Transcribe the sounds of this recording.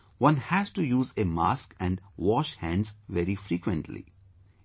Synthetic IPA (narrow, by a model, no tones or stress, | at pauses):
ʋʌ̃nhæzʈujuːzema̰ːskɛ̃ɳɖʋɔːʃhæ̃ɳzʋɛɾifɾiːkwə̃ɳʈʰlḭ